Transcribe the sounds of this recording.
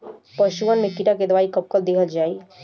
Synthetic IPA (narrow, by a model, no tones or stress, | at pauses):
pəʃuʋənmekiʈaked̪ʋaːikɐb̚kəld̪ekʰəld͡ʒaːi